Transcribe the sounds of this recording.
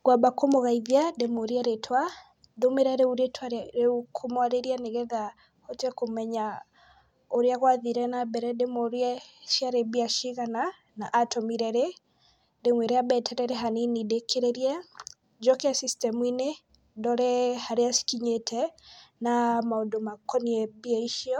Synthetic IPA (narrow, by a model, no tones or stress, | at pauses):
ɡwabakomoɣaiðjademoɾiaɾetʰwa | domeɾɛɾeuɾetʰwaɾekʰomwaɾeɾianeɣɛða | hɔtɛkomɛɲa | oɾeaɣwaðiɾɛnabɛɾɛdemoɾiɛʃjaɾebiaʃiɣana | naʔːtɔmiɾɛɾe | demweɾeabɛtʰɛɾɛɾeɦaninidekʰeɾeɾiɛ | d͡ʒɔkeasistɛmwine | dɔɾɛhaɾeasi̥kiɲetʰɛnamaodomakɔniɛbiɛiʃiɔ